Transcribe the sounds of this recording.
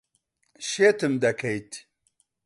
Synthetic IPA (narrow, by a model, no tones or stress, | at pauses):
ɕet̪ɨmd̪ɐkʰɐjt̪ʰ